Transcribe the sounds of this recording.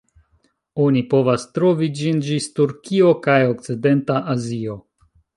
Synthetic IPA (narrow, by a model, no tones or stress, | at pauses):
o̞nipo̞vastɾo̞vid͡ʒind͡ʒistuɾkio̞kajok̚t͡side̞ntaʔazio̞